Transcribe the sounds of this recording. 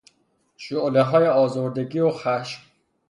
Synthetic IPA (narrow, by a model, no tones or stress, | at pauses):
ʃoʔleɦɒːjeɔːzoːɾd̪eɡiːoxæʃm